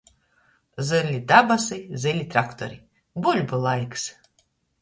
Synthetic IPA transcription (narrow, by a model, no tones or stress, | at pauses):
zɨɾlʲid̪abasɨjzɨlʲit̪ɾakt̪ɔɾʲi | bulʲbɨlˠajks